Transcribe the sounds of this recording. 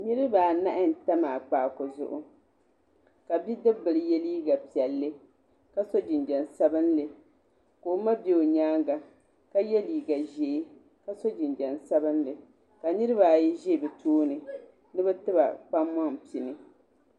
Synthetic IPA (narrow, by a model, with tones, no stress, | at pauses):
nɨ˦ɾɨ˦baː˨na˦ʔɪ˦n̩˨ta˦maː˨k͡paː˨ko˨zʊ̰˦ʔʊ˦ | ka˨bi˦dɨ˦bɨ˨lɨ˨jɛ˦liː˦ɡa˨pi˨ɛ˨lːɨ˦ | ka˦so˦d͡ʒɪ˨nd͡ʒɛ˨nsa˦bɨ˦nlɨ˨ | koː˨˦ma˦be˨o˨ɲaː˦ŋɡa˨ | ka˦jɛ˦liː˨ɡa˨ʒe˨˦ | ka˦so˦d͡ʒɪ˨nd͡ʒɛ˨n˨sa˦bɨ˦nlɨ˨ | ka˨nɨ˦ɾɨ˦baː˨ji˦ʒe˦˨bɛ˨tʰoː˦nɨ˨ | nɨ˦bɛ˦tɨ˦ba̰˨k͡pa˦mma˦ŋpi˨nɨ˨